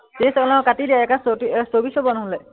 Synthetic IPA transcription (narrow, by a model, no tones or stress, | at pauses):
tisɛɔlaʊ̃katidijaɛkasotisobisɔbɔnɔɦɔlɛ